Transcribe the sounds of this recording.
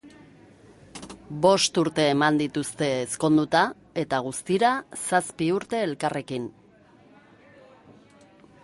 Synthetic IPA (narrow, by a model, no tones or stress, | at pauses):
bo̞st̪uɾt̪e̞ːmand̪it̪ust̪e̞ːsko̞nd̪ut̪a | e̞t̪aɣ̞ust̪iɾasaspiuɾt̪e̞ːlkare̞kin